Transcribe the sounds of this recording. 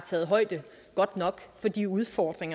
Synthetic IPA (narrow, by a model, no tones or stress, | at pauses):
t͡sʰɛːð̞̩ˠɦɒ̽ɪd̥ə | ɡ̥ɒ̽d̥nɒ̽ɡ̥fɒ̽d̥iuð̞ˠfɒːd̥ʁeŋɐ